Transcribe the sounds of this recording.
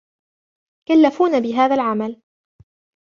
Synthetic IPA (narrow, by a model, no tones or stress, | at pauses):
kalːafuːnabɪɦaːðalʕamal